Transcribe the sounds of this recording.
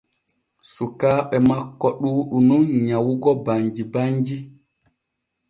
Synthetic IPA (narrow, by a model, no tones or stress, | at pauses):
sukaːɓɛmakːɔɗuːɗununɲawuɡɔbaɲd͡ʒibaɲd͡ʒi